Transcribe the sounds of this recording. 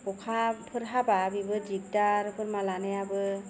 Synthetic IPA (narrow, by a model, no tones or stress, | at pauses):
pɔkʰapʰɯɾɦababibɯd͡ʒik̚daɾpʰɯɾmalanɯjabɯ